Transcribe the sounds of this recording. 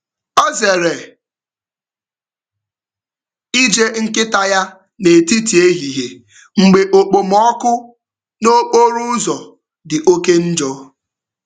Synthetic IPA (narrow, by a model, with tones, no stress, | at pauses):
ɔ˦ze˨ɾe˨ | i˦d͡ʒe˦ŋ̩˦kɪ˦ta˦ja˦ | ne˨ti˦ti˨e˦ɦi˨ɦe˨ | ŋ͡m̩˨ɡ͡be˨ʔo˨k͡po˨mɔ˦kʊ˦ | no˦k͡po˦ɾu˦zɔ˨ | dɪ˨ʔo˦ke˦n̩˦d͡ʒɔ˦